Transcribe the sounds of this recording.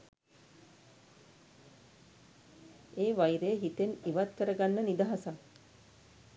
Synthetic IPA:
eːʋajiɾejəɦit̪eniʋat̪kəɾəɡanːənid̪aɦasaŋ

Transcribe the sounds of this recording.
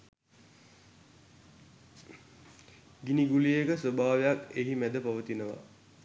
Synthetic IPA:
ɡiniɡuliekəsʋəbʱaːʋejakeɦimæd̪əpaʋət̪inəʋa̰

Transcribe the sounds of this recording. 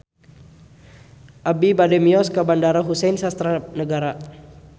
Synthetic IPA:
ʔabibadɛmiɔskabandaɾaɦusɛjnsast̪ɾanəɡaɾa

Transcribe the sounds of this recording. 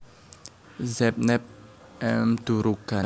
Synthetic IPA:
zɛp̚nɛp̚ | ɛmd̪̥uɾuka

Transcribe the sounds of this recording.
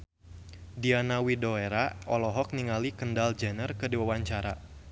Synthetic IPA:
dianawidoeɾaʔɔlɔɦɔk̚niŋalikəndald͡ʒənərkədiwawaɲt͡ʃaɾa

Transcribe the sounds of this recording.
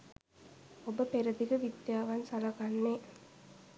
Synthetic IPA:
obəpeɾɐd̪iɡəʋid̪jaːʋɐnsalɐɡanːe

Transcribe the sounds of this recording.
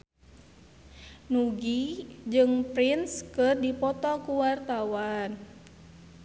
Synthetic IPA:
nuɡid͡ʒɨŋpɾinskɨrdipɔt̪ɔkuwart̪awan

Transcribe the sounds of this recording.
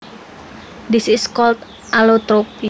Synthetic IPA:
d̪isiskɔlt̪ | ʔalot̪ɾopi

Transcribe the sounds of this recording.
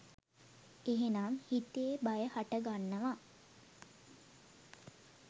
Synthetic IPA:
eɦenamhit̪ebajəhaʈəɡanːəʋa

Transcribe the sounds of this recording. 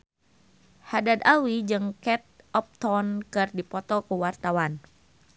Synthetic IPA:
hadad̪awid͡ʒɨŋkɛt̪̚ɔp̚t̪ɔnkɨrdipɔt̪ɔkuwart̪awan

